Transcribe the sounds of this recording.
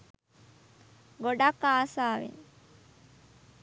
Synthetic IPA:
ɡoɖakːaːsaːʋḛn

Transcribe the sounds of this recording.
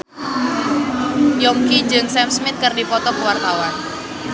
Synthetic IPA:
jɔŋkid͡ʒɨŋsɛmsmɪt̪̚kɨrdipɔt̪ɔkəwart̪awan

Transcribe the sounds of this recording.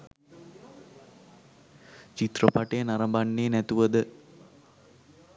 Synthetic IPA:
t͡ʃit̪rəpaʈejənaɾəmbanːeːnæt̪uʋəd̪ə

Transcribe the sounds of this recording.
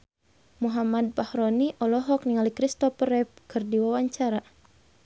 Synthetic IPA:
muɦamad̪̚pahɾɔniʔɔlɔɦɔk̚niŋalikɾist̪ɔpəɾɛp̚kʰɨrdiwawaɲt͡ʃaɾa

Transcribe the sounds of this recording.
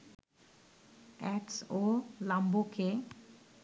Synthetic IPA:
ɛksolamboke

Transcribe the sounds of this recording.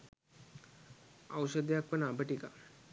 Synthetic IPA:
awʃəd̪ejakʋənəabəʈika

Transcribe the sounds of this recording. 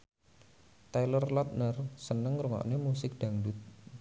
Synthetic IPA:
t̪ajlərlɔt̪̚nərsənəŋɾuŋa̰ʔnemusɪk̚d̪̥a̤ŋdut̪̚

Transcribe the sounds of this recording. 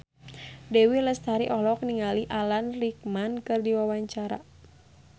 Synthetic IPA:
dɛwiləst̪aɾiʔɔhlɔk̚niŋaliʔalanrik̚mankɨrdiwawaɲt͡ʃaɾa̰

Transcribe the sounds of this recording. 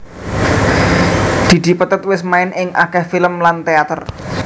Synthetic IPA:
d̪̥i̤d̪̥i̤pət̪ət̪̚wɪsmaɪnʔɪŋʔa̰kɛhfiləmlant̪eat̪ər

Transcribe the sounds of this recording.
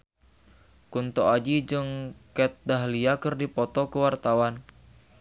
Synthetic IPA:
kunt̪ɔad͡ʒid͡ʒɨŋkɛt̪̚daɦliakɨrdipɔt̪ɔkəwart̪awan

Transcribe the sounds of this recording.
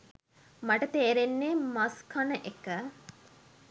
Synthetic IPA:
mɐʈət̪eːɾenːeːmɐskʰɐnəʔekə

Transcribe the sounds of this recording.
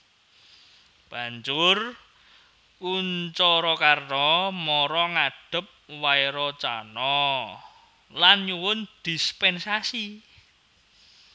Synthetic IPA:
b̥a̤ɲd͡ʒʊr | uɲt͡ʃɔɾɔkarnɔmɔɾɔŋaɖ̥ə̤p̚waeɾɔt͡ʃanɔ | lanɲuwʊnd̪̥ispɛnsasi

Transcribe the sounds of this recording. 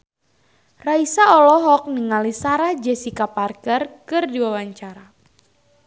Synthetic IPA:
raisaɔlɔɦɔk̚niŋalisaɾahd͡ʒɛsikaparkərkɨrdiwawaɲt͡ʃaɾa

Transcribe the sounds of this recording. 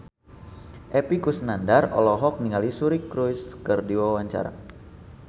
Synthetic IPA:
ʔepikusnandarɔ̰lɔɦɔk̚niŋalisuɾikɾujskərdiwawaɲt͡ʃa̰ɾa̰

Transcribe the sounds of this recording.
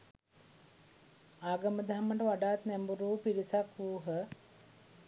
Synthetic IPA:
aːɡəməd̪aɦamːəʈəʋaɖaːt̪næmbuɾuːpiɾisakʋuːɦə

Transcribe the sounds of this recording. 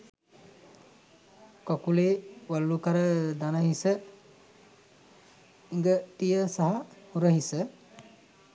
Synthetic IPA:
kɔkuleːwalːukaɾəd̪anaɦisə | iŋɡəʈijəsaɦahuɾəɦisə

